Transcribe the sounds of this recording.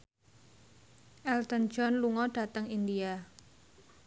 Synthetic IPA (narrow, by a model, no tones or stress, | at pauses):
ʔɛlt̪ən̥d͡ʒɔnluŋɔɖ̥a̤t̪əŋind̪ia